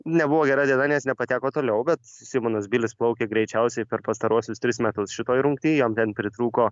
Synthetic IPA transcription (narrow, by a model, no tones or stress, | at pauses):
nʲɛbʊʋoːɡʲɛɾɐdʲiɛd̪ɑːnʲeːsnʲɛpɐt̪ʲæːkoːt̪oːlʲɛʊbʲɛt̪sʲɪmoːnɐs̬bʲiːlʲɪsplˠɐʊkʲeːɡɾʲɛɪt͡ʃʲɛʊsʲɛɪpʲɛɾpɐst̪ɐɾuɔsʲʊst̪ʲɾʲɪsmʲæt̪ʊsʃʲɪt̪oːjɾʊŋkt̪ʲiːjomt̪ʲɛnpʲɾʲɪt̪ɾuːkoː